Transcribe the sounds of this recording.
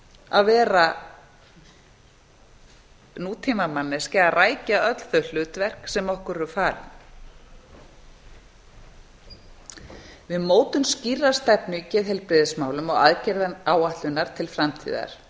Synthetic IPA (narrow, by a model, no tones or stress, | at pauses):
a̰ðvɛːɾa | nuːt̪ʰiːmamanːɪ̥scɛaraːjcaœt̪l̥θœl̥ʏːt̪vɛr̥ksɛmɔhkʏɾɛʏfaːɾ | vɪðmoːwt̪ʏmscirːḁst̪ɛpnʏicɛːðhɛlpɾɪðɪsmaːwlʏmɔɣa̰ðcɛɾðaaːwaht̪lʏnːaɾ̥t̪ʰɪlfɾamt̪ʰḭːða̰ɾ̥